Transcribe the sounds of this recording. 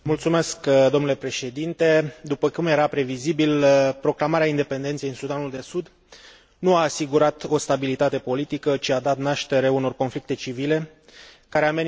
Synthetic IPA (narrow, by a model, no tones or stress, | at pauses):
mult̪sume̞skd̪o̞mnulepɾe̞ʃe̞d̪int̪e̞d̪upəkumje̞ɾapɾe̞vizibilpɾo̞klamaɾeaind̪e̞pe̞nd̪ent̪sijinsud̪anuld̪e̞sud̪ | nuaːsiɡuɾat̪o̞st̪abilit̪at̪e̞po̞lit̪ikət͡ʃiad̪at̪naʃt̪e̞ɾeuno̞rko̞nflik̚t̪e̞t͡ʃivile̞ | kaɾe̞ame̞n